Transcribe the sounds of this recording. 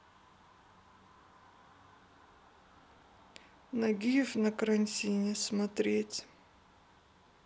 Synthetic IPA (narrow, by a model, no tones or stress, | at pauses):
nɐɡʲijəfnɐkəɾɐnʲtʲinʲɪsmɐt̪ɾʲetʲ